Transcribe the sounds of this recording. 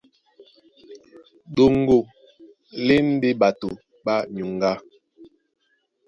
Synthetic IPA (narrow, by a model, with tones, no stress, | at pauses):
ɗo˨ŋ˦ɡo˨ | le˦n̩˦de˦ɓa˨to˨ | ɓa˦ɲu˨ŋ˦ɡa˦